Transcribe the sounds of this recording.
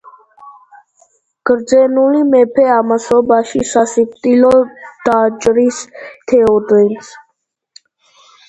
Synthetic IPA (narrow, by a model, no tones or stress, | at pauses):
ɡ̥əɾd͡ʒeːnuliːmeːpʰeːaːməsoːbaːʃisaːsit̪iloːd̪̥aːd͡ʒɾiːst̪ʰeːoːd̪əns